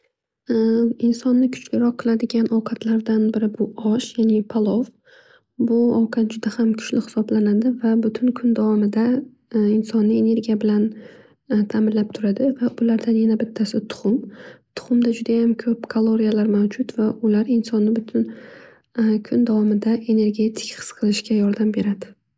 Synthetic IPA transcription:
ɪnsɒnːɪkʰʊ̥t͡ʃlɪɾɒqʰːɨlˠad̪ɪɡʲanʔɒwqʰɑt̪ʰlaɾd̪anbɪɾɪbʊɒʃjanɪpʰalˠof | bʊɒwqʰɑt̪̚d͡ʒʊd̪ahamkʰʊ̥t͡ʃlɪhɪ̥sɒblanad̪ɪvabʊt̪ʰʊnkʰʊnd̪awɒmɪd̪a | ɪnsɒnːɪe̞ne̞ɾɡʲijabɪlan | t̪ʰamɪnlap̚t̪ʰʊɾad̪ɪvaʔʊlaɾd̪anjanabɪt̪ʰːasɪt̪ʰʊ̥χʊmt̪ʰʊ̥χʊmd̪ad͡ʒʊd̪ajamkʰɵpkʰalˠoɾijalaɾmawd͡ʒʊt̪vaʊlaɾɪnsɒnːɪbʊt̪ʰʊn | kʰʊnd̪avɒmɪd̪aʔe̞ne̞ɾɡʲe̞t̪ʰɪ̥kʲχɨ̥sqʰɨlˠɪʃkʲajɒɾd̪ambe̞ɾad̪ɪ

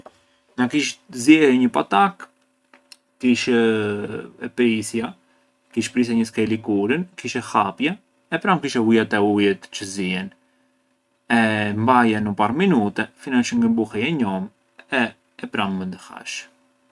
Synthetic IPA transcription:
nakiʃ̬zjɛɾiɲəpat̪ak | kiʃ | ɛpɾisja | kiʃpɾisɛɲəskɛlikuɾənkiʃɛxapjɛː | pɾamkiʃɛujat̪ɛujɛt̪t͡ʃəziɛn | ɛmbajɛnəpaɾminut̪ɛfinaʃəŋɡəmbuhɛjɛɲɔm | ɛ | ɛpɾamːənd̪əha̰ʃ

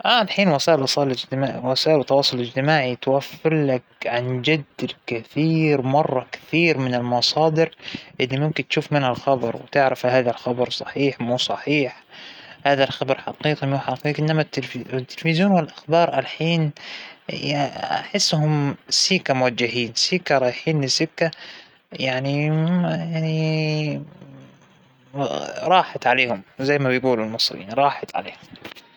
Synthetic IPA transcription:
ʔaʔalħiːnwasaːʔɪlʔɑsˤɑːʔɪlɪd͡ʒt̪ɪmaːwasaːʔɪlwɪt̪ːɑwɑːsˤʊlɪd͡ʒt̪ɪmaːʕit̪wafːɪɾlak̚ʕand͡ʒad̪ːlkɪθiːɾmɑrˤːɑkɪ̥θiːɾmɪnɪlmɑsˤɑːd̪ɪɾʔɪlːimʊmkɪnt̪ʃuːfmɪnhalxɑbɑɾˤwɪt̪ɪʕɾafhaːðalxɑbɑɾˤsˤɑħiːħmuːsˤɑħiːħhaːðalxɑbɾˤħɑ̰qiːqimuːħɑqiːqʔɪnːamat̪ːɪlwɪt̪ːɪlfɪzjoːnwɪlʔaxbɑːɾˤʔalħiːn | jaa̰ħɪsːhʊmsiːkamʊwad͡ʒːahiːnsiːkaɾˤɑːjħiːnɪsːɪkːa | jaʕnijaʕni | ɾˤɑːħat̪ʕaleːhʊmzajːmabɪjɡuːlalmɨsˤɾja̰ːniɾˤɑːħat̪ʕa̰lḛːhʊm

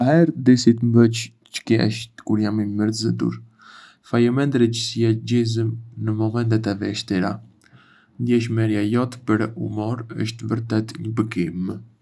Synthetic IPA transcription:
ahɛɾd̪isit̪mbət͡ʃ | t͡ʃə̥kɛ̰ʃt̪kuɾjamiməɾzəd̪ṵɾ | fajɛmɛnd̪ɾɛcəsɛɟizəmnəmɔmɛnt̪ɛt̪ɛvɛʃt̪iɾa | nd̪jɛʃ̬mɛɾjajɔt̪pəɾɛṵmɔɾə̰ʃt̪vəɾt̪ɛt̪ɲəbəɡim

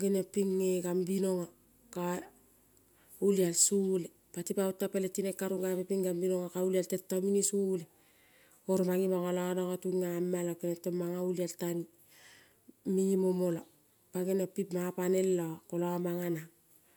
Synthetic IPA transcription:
ɡenapiŋːeɡambino̞ŋa | ka | ulialsule | patipautːapeletinekːaɾuɡapepiŋɡambino̞ŋakaulialtetːaminisule | oɾmaŋimaŋalanaŋatuŋːamːalakenetːomaŋaulialtani | miimomola | paɡenopipmapane̞lːakolaamaŋana

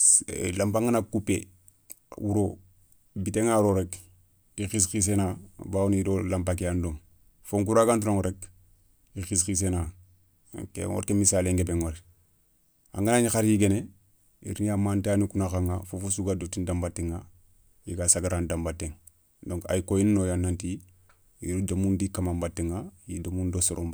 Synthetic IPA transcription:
lampaŋɡanakupḛ | wuɾo | biteŋaɾoɾek | ixis̬kis̬enabawunidolampak̬ijandoŋ | foŋk̬uɾaɡantuɾoŋɾek | ixiskis̬ena̰ | kḛŋo̰ɾkemisaːleŋɡebeŋoɾ | a̰ŋɡanaɲxaɾjiɡene | ḭɾnijamantaːnikunaxaŋafofusuɡadotindambatːiŋa | jiɡasaɡaɾandambatːeŋ | doŋka̰jikojinnojanːanti | iɾudamundikamambatːiŋajidomundosoɾomb

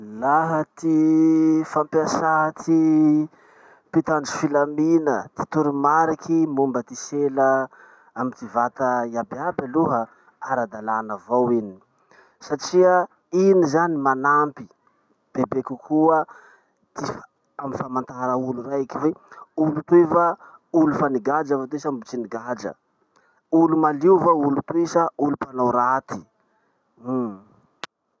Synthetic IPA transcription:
laɦət̪i | fampasaɦət̪ʰi | pit̪and͡zi̥filaminət̪i̥t̪uɾumaɾikʰimumbət̪iselə | amit̪ivat̪əiabiabaluɦə | aɾad̪alanəvowini | saʈ͡ʂiə | inizanimanampi | b̥ebekukʰuə | t̪if | amifamant̪aɾəulurajkiveulut̪uevaulufaniɡad͡ʒavat̪esambut͡ʃiniɡad͡ʒə̰ | ulumaliuvaulut̪uesaulupanawɾat̪i̥

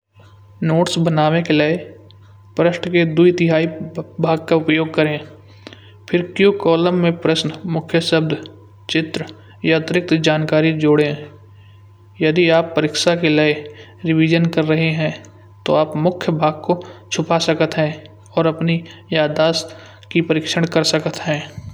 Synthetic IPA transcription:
noːʈsbənaːwekelee | pɾəʃʈked̪uit̪ɪɦaːibʱaːɡ̚kaʊpjoːɡ̚kəɾẽ | pʰɪɾkjũkɔːləmːẽpɾəʃnmʊkʰjəsəb̚d̪ʱ | t͡ʃɪt̪ɾ | jaət̪ɾɪk̚t̪d͡ʒaːnkaːɾid͡ʒoːɽẽ | jɐd̪iaːpːəɾɪkʃakelaeɾɪʋiːd͡ʒənkɐɾːəɦeɦɛ̃ː | t̪o̰aːpmʊkʰjəbʱaːɡ̚kot͡ʃʰʊpasəkət̪ɦɛ̃ː | ɔːɾɐpnijaːd̪aːs | kipəɾɪkʃəɽ̃kəɾsəkət̪ɦɛ̃ː

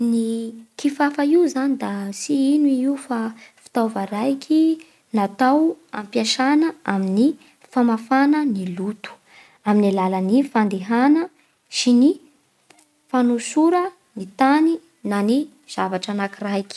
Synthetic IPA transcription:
nikifafaiwzanid̪asiinuiiufafi̥t̪ovəɾajkʰi | nat̪awa̰mpjaʃanəamini | famafanənilut̪u̥ | aminilalənifand̪eɦanə | sini | fanusuɾə | nit̪ani | nani | z̥avaʈ͡ʂanakirajkʲi̥

